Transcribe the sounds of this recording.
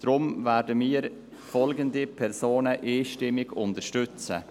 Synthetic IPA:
d̥ɾʊmvɛːɾdəmiːɾ | fɔlɡəndipʰɛɾsoːnəʔeːʃtɪmːɪɡʊntəʃtʏt͡sə̰

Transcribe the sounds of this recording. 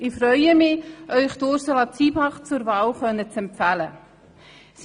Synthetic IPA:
ɪfɾœʏəmɪʔœʏχtoːɾsəlɑt͡siːbɑχt͡suɾvɑːlχœnːət͡sɛmpfælə | s

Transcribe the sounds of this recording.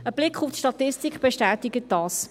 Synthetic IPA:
əb̥lɪkχuftʃtɑt̪ɪstikχb̥eʃtæːtɪɡət̚dɑːs

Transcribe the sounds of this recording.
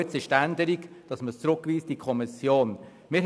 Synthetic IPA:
ət͡sɪʃtænd̪əɾikd̥ɑsmət͡sɾʊkʋiːstd̥ikʰɔmɪsjoːn | mɪɾ

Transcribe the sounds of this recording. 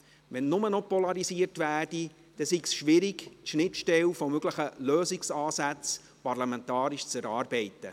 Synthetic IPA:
ʋɛnːʊmənɔpɔlɑɾisiːərtʋæːrd̥i | d̥ɛsiksʃʋɪɾiɡtʃnɪtʃtɛlfɔmøɡləχəløːsiksɑːsæt͡s | pɑrlɑmɛntɑːɾiʃt͡sɛɾɑːrbɛɪtə

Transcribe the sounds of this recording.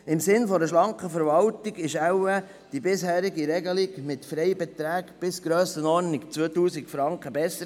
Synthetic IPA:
ɪmsɪnfɔɾəʃlɑŋkəfəɾvɑltiɡɪʃæwə | d̥ibɪshæːɾiɡiɾɛɡəliɡmɪtfɾɛɪbɛt̪ɾæːkb̥ɪsɡ̥ɾøːsənɔɾnikt͡sʋøːtuːsikfɾɑŋkχəbɛsːəɾ

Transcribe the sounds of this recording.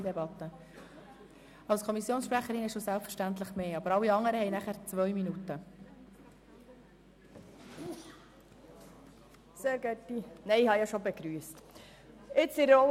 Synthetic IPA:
debɑt̪ːə | ɑlskʰɔmisjoːnsʃpɾæχəɾɪnɪʃosælpfəɾʃtænt̪ləχmeːɑbəɾɑlːiɑŋəɾəhɛɪnæχæɾt͡sʋœɥminut̪ə | seːɾɡɛtːinɛɪɪhɑjɑʃobeɡ̥ɾyːəst | ɪt͡sɪɾɔ

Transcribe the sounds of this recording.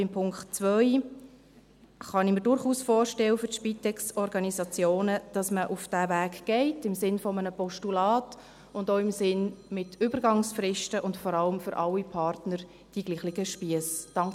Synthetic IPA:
ɪmpʰʊŋktt͡svœɪ | χɑnimɪɾdʊɾχuːsfɔːrʃtɛwəfʏʃpitɛksɔɾɡɑnizɑt͡sjoːnəd̥ɑsməʔufd̥ævæːkɡ̥ɛɪtɪmsɪnfɔmənəpɔʃtulɑːt | ʊndoːɪmsɪnmɪtʰʏbəɾɡɑŋsfrɪʃtəʔʊntfɔɾɑləmfʏɾʔɑlːipʰɑrtnəɾ | d̥iɡ̥liːχlɪɡəʃpiəsd̥ɑŋ

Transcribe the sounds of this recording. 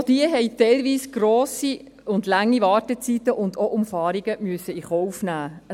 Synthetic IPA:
d̥iəɦɛɪtɛɪlʋiːsɡ̥ɾoːsi | ʊndlaŋːivɑːɾtət͡sit̪əʔʊndoʔʊmfɑːɾiɡəmyəsəiχɔwfnæː

